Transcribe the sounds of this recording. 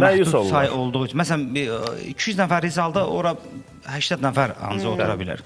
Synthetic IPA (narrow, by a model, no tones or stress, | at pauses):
mæusɑjʔo̞lˠd̪uʁut͡ʃʰunmæs̬ælænḭcʰijyznæfæɾizɑlˠd̪ɯoɾɑ | hæʃt̪æd̪næfæɾɑ̰nɯzot̪ʰuɾɑbilæ̰ɾ